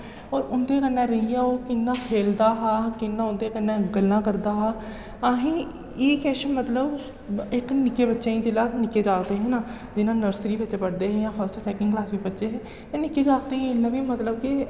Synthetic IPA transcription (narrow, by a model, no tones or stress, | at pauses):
ɔːɾʊnd̪eːkənɛ̃ːɾəɪjaːoːkɪnːãːpʰeːld̪aːɦaːkɪnːãːʊnd̪eːkənːɛ̃ːɡəlːãːkəɾd̪aːɦaː | aːɦĩː | eːkɛːʃəmət̪ləb | ɪknɪkːeːbətːʃeːĩːd͡ʒeːlaːnɪkːeːd͡ʒaːkd̪eːɦɛ̃ːnaː | d͡ʒɪnãːnəɾsɾiːbətːʃeːpəɽd̪eːɦɛ̃ːjãːpʰəsʈsɛːkɪ̃ŋɡklaːsbiːbətːʃeːɦɛ̃ː | t̪eːnɪkːeːd͡ʒaːɡ̚d̪eːɦɪlːãːbiːmət̪ləbkɪ